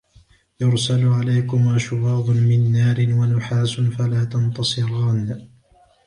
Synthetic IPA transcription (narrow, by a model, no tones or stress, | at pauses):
jʊɾsalʕalajkʊmʔaʃʊwɑːðˤʊmɪnːaːɾɪnwanʊħaːsʊnfalaːt̪ɑnt̪ɑsˤɨɾɑːn